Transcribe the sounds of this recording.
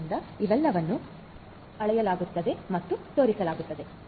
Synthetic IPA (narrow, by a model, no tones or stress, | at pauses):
nd̪ɐiʋɛlːɐʋɐnːu | ɐɭɛjɐlaːɡut̪ːɐd̪e̞mɐt̪ːut̪o̞ːɾisɐlaːɡut̪ːɐd̪e̞